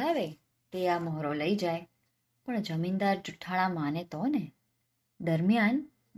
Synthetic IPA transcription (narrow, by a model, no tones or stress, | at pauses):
aʋe | t̪eamɔɦɾoləid͡ʒaj | pəɳd͡ʒəmind̪aɾd͡ʒuʈʰːaɭ̃ãmanet̪one | d̪əɾmijan